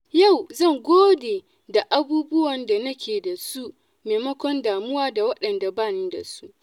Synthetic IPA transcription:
ja˦˨wzɐ˦˨ŋɡʷoː˦deː˨ | da˨ʔa˦buː˦bʊ˦wɐ˨nda˨nɐ˦kʲeː˨da˨su˦ʔ | meː˨mɐ˦kʷɔ˦ndaː˨mʊ˦waː˦da˨wɐ˦ɗɐ˨nda˨baː˦˨neː˦da̰˨su˦ʔ

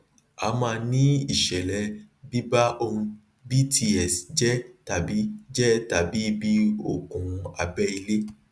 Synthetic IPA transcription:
a̰˧˦mãː˧nĩ˦i˦˨ʃɛ˨lɛ˨˦ | bi˦ba˦ʔo˧ũ˧ | bi˦tʰi˧ɛ˨sd͡ʒɛ˦ta˨bi˨˦d͡ʒɛ˦ta˨bi˨˦bi˦o̰˨kũ˨a̰˨bɛ˦i˧le˦

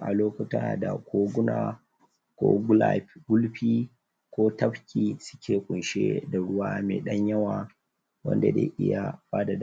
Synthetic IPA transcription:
ʔa˨loː˦kʊ˦ta˦da̰˨kʷʰoː˦ɡʷʊ˦naː˨ | kʷo̰ː˦ɡla˦˨ɸɡʊ˦lɸiː˦ | kʷoː˦tɐ˦ɸkʲiː˨sʊ̥˦kʲeː˨kʷʼʊ˨nʃḛ˦da˨ɽʊ˦waː˦mḛː˨ɗɐ˦ɲjɐ˦waː˨ | wɐ̰˦nda˨dḛː˦ʔɪ̰˦ja˨baː˦da˨d

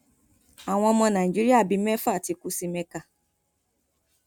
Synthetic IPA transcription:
a˨ŋ̃ʷɔ̃˦mɔ̃˧na˨i˨d͡ʒi˦ɾi˦a˦˨bi˦mɛ˦fa˦˨ti˨ku˦si˦me˦ka˦

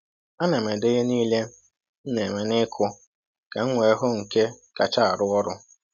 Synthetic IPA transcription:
a˦ne˨me˨de˦ɣe˦niː˦le˦ | n̩˦ne˨me˨nɪ˦kʰʊ˦ | ka˨ŋ̩˦ŋʷe˨e˦ɦʊ˦ŋ̩˨ke˦ka˨t͡ʃa˦a˨ɾʊ˦ɔ˦ɾʊ˦

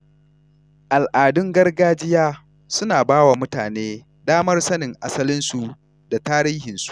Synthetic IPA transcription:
ʔa˨lʔaː˨dʊ˦ŋɡɐ˦rɡaː˦d͡ʒɪ˦jaː˦ | sʊ˦naː˨baː˦wa˨mʊ˦taː˨neː˦ | daː˦mɐ˦rsɐ˦nɪ˨ŋʔa˦sɐ˦lɪ˦nsu˨ | da˨taː˦ɾiː˦hɪ˨nsu̥˨ʔ

